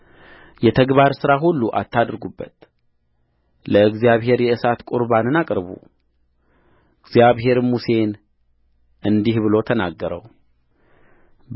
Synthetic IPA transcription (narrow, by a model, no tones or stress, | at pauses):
jɛt̪ʰəɡβaɾsɨɾaɦulːuʔa̰t̪ːad̪ɾɡubːət̪ | ləɨɡzijaβɦe̞ɾjɛɨsat̪kʼuɾbanɨnakʼɾβṵ | ɨɡzjaβɦe̞ɾmuse̞n | ʔɨnd̪ihβɨlo̞t̪ʰənaɡːəɾə̰w